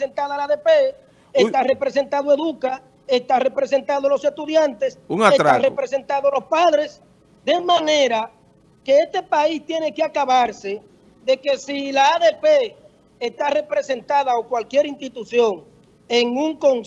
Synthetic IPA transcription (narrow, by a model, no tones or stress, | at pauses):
sent̪aðalaðe̞pe | est̪are̞pɾese̞nt̪aðoe̞ðuka | est̪are̞pɾe̞se̞nt̪aðolo̞se̞st̪uðjant̪e̞suŋaest̪tɾaarepɾe̞se̞nt̪aðolo̞spaðɾe̞s | d̪e̞mãne̞ɾa | ke̞est̪e̞paist̪je̞ne̞keakaβaɾse̞ | ðe̞ke̞silaaðe̞peː | st̪are̞pɾe̞se̞nt̪aðaokwalkje̞ɾinst̪it̪uθjo̞ŋ | e̞ŋuŋko̞ŋ